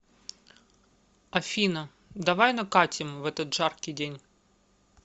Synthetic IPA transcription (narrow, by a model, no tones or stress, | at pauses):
ɐfʲinə | d̪ɐvajnɐkatʲɪmvɛt̪ət̪ʐarkʲɪjdʲenʲ